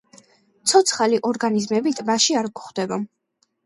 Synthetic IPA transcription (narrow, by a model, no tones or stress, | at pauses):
t̪sʰɔt̪sʰχaliʔɔɾɡanizmɛbit̪ʼbaʃiaɾɡuχd̪ɛba